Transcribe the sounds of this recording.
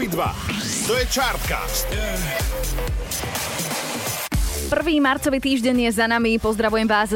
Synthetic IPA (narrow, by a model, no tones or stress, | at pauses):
id̪ʋa̰ | t̪ɔjɛt͡ʃaɾt̪ka̰st̪ | pr̩ʋiːmaɾt͡sɔʋiːt̪iːʒɟɛɲjɛzanamipɔzd̪ɾaʋujɛmʋaːz